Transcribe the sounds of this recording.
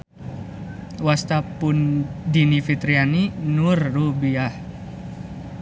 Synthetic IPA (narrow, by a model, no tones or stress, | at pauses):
wast̪apundinifit̪ɾianinurːubiah